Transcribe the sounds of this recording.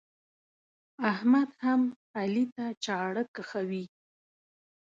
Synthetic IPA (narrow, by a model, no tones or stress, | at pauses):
ahmad̪ham | alit̪at͡ʃɑɽəkaxawi